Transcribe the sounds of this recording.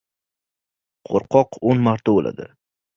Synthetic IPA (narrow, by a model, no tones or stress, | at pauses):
qʰo̰ɾqʰɒqʰonmaɾt̪ʰabolʔa̰d̪ɪ̰